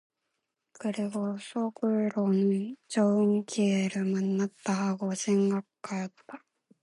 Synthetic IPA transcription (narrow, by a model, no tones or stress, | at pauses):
kɯɾeɡosokɯɾonit͡ɕoɯŋkʲʰieɾɯmannːat̪ːahaɡosẽŋɡakɯ̥kːajot̪ːa